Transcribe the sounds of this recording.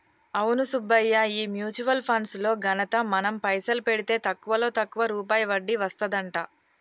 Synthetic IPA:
ɐwnusubɐjːɐiːmjuːt͡ʃuʋɐlpʰɐnslo̞ːɡɐnɐt̪ɐmɐnɐmpɐjsɐlupeɽit̪e̞ːt̪ɐkːuʋɐlo̞ːt̪ɐkːuʋɐɾuːpaːjɐʋɐɖːiʋɐst̪ɐd̪ɐɳʈaː

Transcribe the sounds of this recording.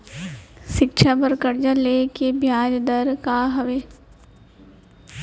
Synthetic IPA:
ʃɪkʃʰabəɾkəɾd͡ʒaleːkebʱjaːd͡ʒd̪əɾkaɦɐʋeː

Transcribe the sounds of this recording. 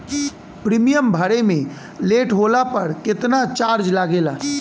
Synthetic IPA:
pɾiːmijəmbʱəɽemẽ | leːʈɦoːlapəɾkɪt̪nat͡ʃaːɾd͡ʒlaːɡeːla̰

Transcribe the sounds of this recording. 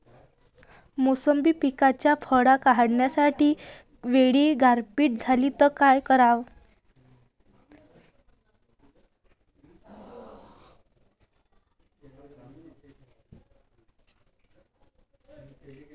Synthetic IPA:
mosəmbiːpikat͡ɕjafʰəɽakaɦaɽɳjasaʈiː | ʋeɽiːɡʱaɾpiːʈ̚d͡zʱalit̪əkajkəɾaʋ

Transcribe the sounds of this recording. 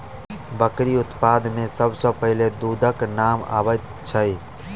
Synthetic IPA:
bəkɾiʊt̪paːd̪mẽsəbʱsəpəɦɪled̪uːd̪ʱəknama̰bət̪̚ | t͡ʃʰəj

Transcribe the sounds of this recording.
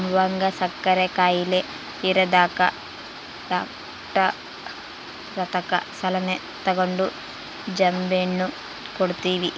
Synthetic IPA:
mʋɐŋɡɐsɐkːɐɾekaːjile | iɾɐd̪aːkɐ̰ | ɖaːk | ʈɐ | ɾɐt̪ɐkɐ̰sɐlɐne | t̪ːɐɡoɳɖu | d͡ʒɐmbenːu | koɽut̪iːʋi

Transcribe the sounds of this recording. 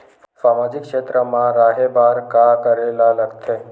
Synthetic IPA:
saːmaːd͡ʒɪkʃeːt̪ɾəmãɾaːɦebaːɾkakəɾelalɐɡt̪ʰeː

